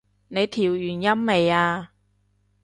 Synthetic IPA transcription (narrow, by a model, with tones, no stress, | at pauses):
ne˨˧jt̪ʰiː˨˩wjyː˨˩njɐ˥mːe˨˧jaː˧